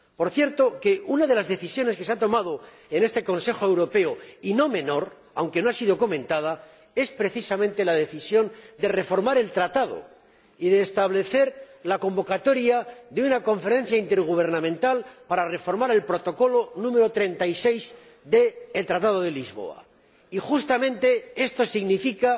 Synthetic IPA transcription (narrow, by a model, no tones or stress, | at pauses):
po̞ɾθje̞ɾt̪o̞ke̞unaðe̞lazðe̞θisjo̞ne̞ske̞seat̪o̞maðo̞ | ene̞st̪e̞ko̞nse̞xoewɾo̞pe̞oino̞mẽ̞no̞ɾ | awŋke̞noasiðo̞ko̞mẽ̞nt̪að̞a | e̞spɾe̞θisamẽnt̪e̞laðe̞θisjo̞nd̪e̞re̞fo̞ɾmaɾe̞lt̪ɾat̪aðo̞̰ | iðeːst̪aβle̞θe̞ɾlako̞mbo̞kat̪o̞ɾjaðeunako̞ɱfe̞ɾe̞n̟θjaint̪e̞ɾɣ̞uβ̞e̞ɾnãmẽnt̪alpaɾare̞fo̞ɾmaɾe̞lpɾo̞t̪o̞ko̞lo̞nũme̞ɾo̞t̪ɾe̞nt̪ajse̞jz | d̪e̞ːlt̪ɾat̪að̞oð̞e̞lizβo̞̰a̰ | ixust̪amẽ̞nt̪e̞e̞st̪o̞siɣnifika